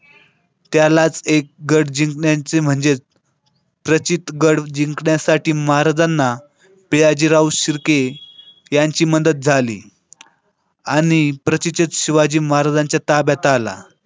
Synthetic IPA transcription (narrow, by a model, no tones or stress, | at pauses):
t̪jalat͡sek̚ɡəɽd͡ʑiŋkɳjat͡sem̤əɳd͡zet͡s | pɾət͡ɕit̪ɡəɽd͡ʑiŋkɳjasaʈiːməɦaɾad͡zanːa | piɭad͡ʑiːɾauɕiɾke | jaɲt͡ɕiːmənd̪ət̪̚d͡zʱalḭː | aɽ̃ipɾət͡ɕit͡ɕət̪ɕiʋad͡ʑiːməɦaɾad͡zaɲt͡ɕjat̪abjat̪ala̰